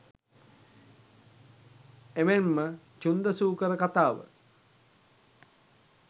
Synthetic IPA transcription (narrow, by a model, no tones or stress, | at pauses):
emenmə | t͡ʃund̪əsuːkəɾəkat̪aːʋə̰